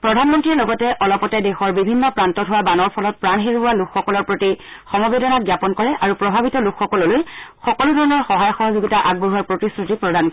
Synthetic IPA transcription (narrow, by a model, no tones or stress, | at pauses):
pɹɔdʱanmɔntɹiɹlɔɡɔtɛʔɔlɔpɔtɛdɛxɔɹbibʱinːɔpɹantɔtʰɦʊwabanɔɹpʰɔlɔt̚pɹanɦeɹʊwalukxɔkɔlɔɹpɹoti | xɔmɔbedɔnaɡjapɔnkɔɹɛʔaɹupɹɔbʱabitɔlukxɔkɔlɔlojxɔkɔlʊdʱɔɹɔnɔɹxɔɦajɔxɔɦɔzuɡitaʔaɡ̚boɦuwaɹpɹotisɹutipɹɔdʱank